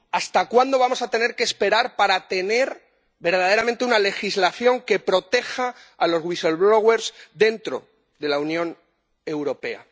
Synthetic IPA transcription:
ast̪akwand̪o̞βamo̞sat̪e̞ne̞ɾkeːspe̞ɾaɾpaɾat̪e̞ne̞ɾ | be̞ɾð̞að̞eɾamẽnt̪e̞unale̞xizlaθjo̞ŋke̞pɾo̞t̪e̞xaː | lo̞zɣwiselβɾoɣwe̞ɾzðe̞nt̪ɾo̞̰ | ðe̞launjõ̞n | e̞wɾo̞pe̞a̰

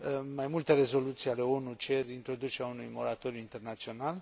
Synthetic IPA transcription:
majmult̪e̞ɾe̞zo̞lut̪sijale̞o̞nut͡ʃerʲint̪ɾo̞d̪ut͡ʃeɾaunujmo̞ɾat̪o̞ɾjuint̪e̞rnat̪sio̞nal

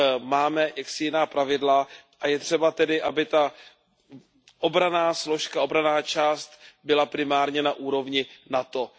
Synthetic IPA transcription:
maːmɛjaksɪjɪnaːpɾavɪdlaʔajɛt̪r̝̥ɛbat̪ɛdɪʔabɪt̪a | ʔobɾanaːslo̞ʃkao̞bɾanaːt͡ʃaːst̪bɪlapɾɪmaːɾɲɛnaʔuːɾo̞vɲɪnat̪o̞

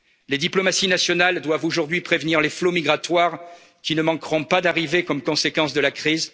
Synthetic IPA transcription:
led̪iplɔmasinasjɔnald̪wavoʒuʁd̪ɥipχevniʁleflomiɡʁat̪waʁ | kʲinəmɑ̃kʁɔ̃pad̪aʁivekɔmkɔ̃sekɑ̃sd̪əlakχiz

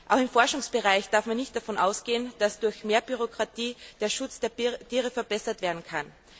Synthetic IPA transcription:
ʔaʊxɪmfɔɐʃʊŋsb̥əʁaɪçd̥aɐfmanːɪçtd̥afɔnʔa̰ʊsɡ̥eːənd̥asd̥ʊɐçmeːɐbyʁokʁ̥atʰiːd̥eːɐʃʊt͡sd̥eːɐtʰiːʁəfɛɐbɛsɐtv̥eːɐdn̩kʰan

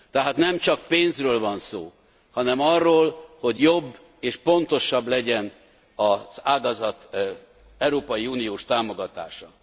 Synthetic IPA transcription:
t̪ɛɦaːt̪nɛmt͡ʃɒk̚peːnzrøːlvɒnso̰ː | hɒnɛmɒrːoːlho̞ɟjo̞bː | eːʃpo̞nt̪o̞ʃɒblɛɟɛn | ɒz̥aːɡɒzɒt̪ | ɛwɾoːpɒjiuːnijoːʃt̪aːmo̞ɡɒt̪a̰ːʃɒ

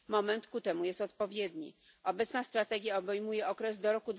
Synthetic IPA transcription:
mɔmɛnt̪kut̪ɛmujɛst̪ɔt̪̚pɔvʲjɛd̪ɲḭ | ɔbɛt̪snast̪ɾat̪ɛɡʲjaɔbɛjmujɛɔkɾɛzd̪ɔɾɔkud̪

